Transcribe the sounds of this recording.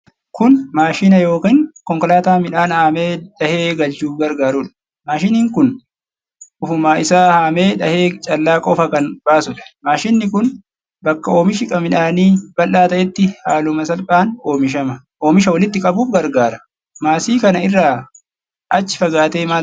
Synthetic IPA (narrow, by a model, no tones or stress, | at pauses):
kʊnmaːʃiːnɐjo̞ːkiːŋkɔŋkɔlaːt̪aːmɪᶑaːnhaːmeːᶑɐheːɡɐlt͡ʃuːfɡɐɾɡaːɾʊːᶑɐ̥ | maːʃiniːŋkʊn | ʔʊfʊmaːɪsaːhaːmeːᶑɐheːt͡ʃʼɐlːaːkʼɔfɐkɐnb̥aːsʊᶑɐ̥maːʃɪnːɪkʊn | bɐkːɐo̞ːmɪʃɪkʼɐmɪᶑaːniːb̥ɐlːaːt̪ɐʔɛt̪ːɪhaːlʊmɐsɐlpʼaːno̞ːmɪʃ̬ɐmɐ | ʔo̞ːmɪʃ̬ɐwɔlɪt̪ːɪkʼɐbuːfɡɐɾɡaːɾɐ | maːsiːkɐnɐɪrːaː | ʔɐt͡ʃːɪ̥fɐɡaːt̪eːmaː